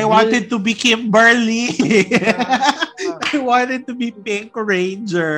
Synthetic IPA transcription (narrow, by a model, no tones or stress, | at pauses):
ajwãnt̪ɛd̪̚t̪ubɪkẽmbɛ˞li | ajwãnt̪ɛd̪̚t̪ubipɪ̃ŋkɹẽɪnd͡ʒɛ˞